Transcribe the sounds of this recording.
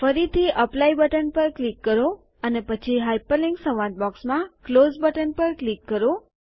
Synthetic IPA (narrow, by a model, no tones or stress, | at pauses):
fəɾit̪ʰiʔəplaibəʈənpəɾklikːəɾo | ənepət͡ʃʰiɦajpəliŋɡsə̃ʋãt̪̚bɔksmãklozbəʈənpəɾklikːəɾo